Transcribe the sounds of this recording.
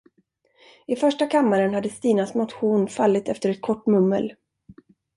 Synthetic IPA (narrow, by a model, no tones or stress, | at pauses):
ɪfœʂʈakʰamːaɾənhad̪ːəst̪iːnasmʊt̪ɧuːnfalːɪt̪ɛft̪əɾɛt̪̚kʰɔʈːmɵmːə̰l